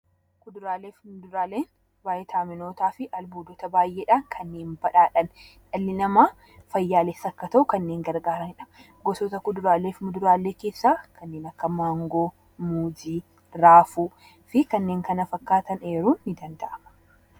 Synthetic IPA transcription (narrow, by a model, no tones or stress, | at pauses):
kʊd̪ʊɾaːleːfmʊd̪ʊɾaːleːn | baːjʔɛt̪ʰaːmɪno̞ːt̪aːfɪʔɐlbuːd̪ɔt̪ɐbaːjʔeːᶑaːŋkʰɐnːe̞ːnbɐᶑaːᶑɐn | ᶑɐlːɪnɐmaː | fɐjːaːlesːɐkːɐt̪ɐʔʊkɐnːe̞ːŋɡɐɾɡaːɾɐnhɪᶑɐ̥mɐ | ɡɔsot̪ɐkʊd̪ʊɾaːleːfmʊd̪ʊɾaːlːe̞ːke̞ːsːaːkʰɐnːe̞ːnɐkːɐmaːŋɡoː | muːd͡ʒiː | ɾaːfu | fɪkɐnːe̞ːŋkɐnɐfɐkːaːt̪ɐne̞ːɾuːnːɪd̪ɐnd̪ɐʔɐmɐ̥